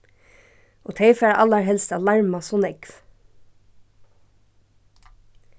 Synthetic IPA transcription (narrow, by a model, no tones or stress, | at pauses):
ʔoːt̪ʰeɪfæːɹʔɑ̰ləɹhɛlst̪ɑlɑɹmɑsɔnɛɡ̥ʋ